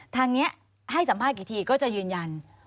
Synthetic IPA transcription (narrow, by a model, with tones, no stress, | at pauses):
t̪ʰaː˧ŋni˦˥ɐʔ | ha˥˩jsa˩˦mpʰaː˥˩kiː˨˩t̪ʰiː˧kɔː˥˩t͡ɕa˨˩jɯː˧nja˧n